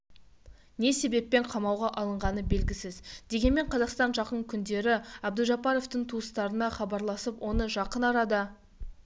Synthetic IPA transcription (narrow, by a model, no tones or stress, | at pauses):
ne̞se̞be̞pːe̞ɴqʰɑmɑwʁɑʔɑlˠəɴʁɑnəbe̞lɡʲɪsɪzd̪e̞ɡʲe̞nme̞ɴqʰɑzɑqst̪ɑnʒɑqəɴkʲʰʏnd̪e̞ɾɪɑb̚d̪əʒɑpɑɾo̞ft̪əɴt̪ʰuəst̪ɑɾənɑχɑbɑɾlˠɑsəpwʔo̞nəʒɑqənɑɾɑd̪ə